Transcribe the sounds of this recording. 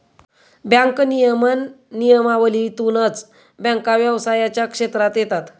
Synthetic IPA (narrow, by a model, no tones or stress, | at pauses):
bjãŋknijəmənː | ijəmaʋəlit̪unət͡s | bjə̃ŋkaʋjəʋsajat͡ɕjakʂet̪ɾat̪jet̪at̪